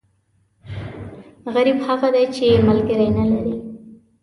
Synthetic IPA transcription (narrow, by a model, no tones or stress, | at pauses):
ɣaɾibhaɣad̪ajt͡ʃemalkeɾajnalaɾi